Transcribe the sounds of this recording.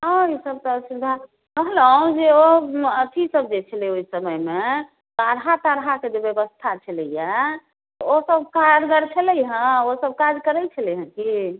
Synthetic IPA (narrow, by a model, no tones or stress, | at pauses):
ə̃isəb̚t̪ɔsud̪ʱa | kəɦlə̃d͡ʒeoət̪ʰisəb̚d͡ʒet͡ʃʰəlioisəməjme | t̪aɾɦat̪aɾɦaked͡ʒebjebəst̪ʰat͡ʃʰələja | osəbkaɾɡ̪əɾt͡ʃʰəlɛjɦə̃osəb̚kad͡ʒkəɾɛt͡ʃʰəlɛjɦə̃ki